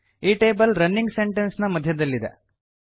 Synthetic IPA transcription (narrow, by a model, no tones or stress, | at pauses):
iːʈe̞ːbɐlɾɐnːiŋɡseɳʈensnɐmɐd̪ʱjɐd̪ɐlːid̪ḛ